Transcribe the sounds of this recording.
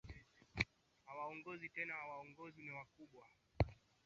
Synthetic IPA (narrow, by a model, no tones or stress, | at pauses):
awaɔŋɡɔzitɛnawaɔŋɡɔziniwakuɓwa